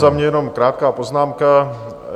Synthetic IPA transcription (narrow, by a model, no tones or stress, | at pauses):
zamɲɛjɛnomkɾaːt̪̚kaːpoznaːmka